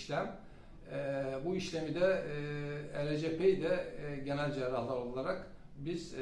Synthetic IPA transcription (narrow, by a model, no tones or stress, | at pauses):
ʃlʲæm | buiʃlʲemid̪ɛ | eɾed͡ʒepʰejd̪ɛɟenælʲd͡ʒeɾalˠaɾolˠaɾak | biz̥